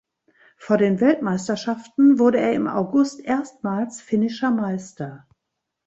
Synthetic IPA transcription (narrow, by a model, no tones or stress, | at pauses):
foːɐdeːnvɛltmaɪstɐʃaftn̩vʊɐɾəḛːɐɪmʔa̰ʊɡʊstʔeːɐstmaːlsfɪnɪʃɐmaɪstɐ